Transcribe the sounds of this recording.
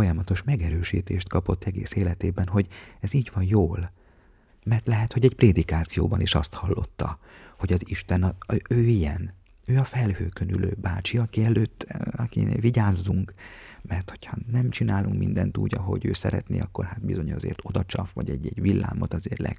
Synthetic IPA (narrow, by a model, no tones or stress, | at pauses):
ojɒmɒt̪o̞ʃmɛɡɛɾøːʃḭːt̪eːʃt̪kɒpo̞t̪ːɛɡeːseːlɛt̪eːbɛnɦo̞ɟɛziːɟʋɒnjoːl | mɛrt̪lɛɦɛt̪ho̞ɟɛɟpreːd̪ikaːt̪sijoːbɒniʃɒst̪hɒlːo̞̰t̪ːɒho̞ɟɒziʃt̪ɛnɒøːijɛn | øːɒfɛlhøːkønyløːbaːt͡ʃiɒkiɛløːt̪ːɒkiviɟaːzːuŋk | mɛrt̪ho̞̥chɒnɛmt͡ʃinaːluŋkmḭnd̪ɛnt̪ṵːɟɒɦo̞̰ɟø̰ːsɛ̰ɾɛ̰t̪nḛːɒkːo̞rɦat̪̚bizo̞ɲɒzḛːrt̪o̞d̪ɒt͡ʃɒfʋɒ̰ɟɛɟɛɟʋilːa̰ːmo̞t̪ɒzeːrlʔɛ̰ɡ